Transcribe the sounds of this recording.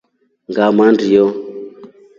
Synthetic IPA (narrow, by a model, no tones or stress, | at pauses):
ŋɡamandijɔ